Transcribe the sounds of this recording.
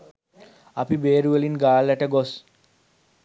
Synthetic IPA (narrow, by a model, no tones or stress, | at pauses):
apibeːɾuelinɡaːlːɛʈeɡos